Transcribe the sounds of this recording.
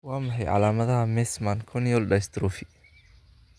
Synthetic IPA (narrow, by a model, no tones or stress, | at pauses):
wɑːmɐħɑjʕɑ̰laːmɐðɐɦɐmɛsmankʰɔnjɔlɖɐjst̪ɾɔːfɪ